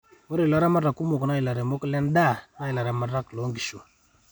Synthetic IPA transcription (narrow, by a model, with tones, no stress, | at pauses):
wo˦ɾe˨la˦ɾa˦ma˦ɾa˨ku˦mo˨kna˦i˨la˨ɾe˨mo˦klɛ˦nda˦˨na˦i˨la˨ɾa˨ma˨ɾa˦klo˨˦ŋɡi˨ʃu˨